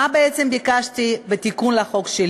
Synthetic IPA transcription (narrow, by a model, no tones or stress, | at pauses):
abeet̪t͡sembikaʃt̪ibet̪ikunleaχokʃel